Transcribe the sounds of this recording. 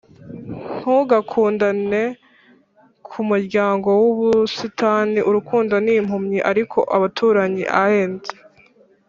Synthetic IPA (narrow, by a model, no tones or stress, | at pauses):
ŋ̥huɡakʰuːndane̞ | kʰumuɾɟaːŋɡo̞wuβusitaːniʔuɾukʰuːndonim̥humɲiʔaɾikʰo̞ʔaβatʰuːɾaɲḭʔaheːnze